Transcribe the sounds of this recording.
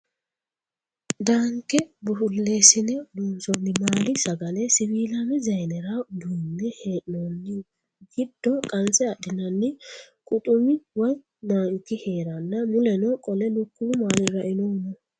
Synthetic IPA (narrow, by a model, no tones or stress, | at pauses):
d̪aŋkːɛbʊhʊlːe̞ːsɪnɛd̪uːnsɔnːɪmaːlɪsɐɡɐnɛsɪbiːlɐmɛzɐjnɛɾad̪uːnːɛheːʔnonːɪ | ɡɪd̪̥ːɔkʼɐnsɛɐɗɪnɐnːɪ | kʼʊt̪ʼʊmɪwɔj | naːŋkːɪhe̞ːɾɐnːɐmʊlɛnɔkʼɔlɛlʊkːuːmaːlɪɾɐʔɪnoːmɔ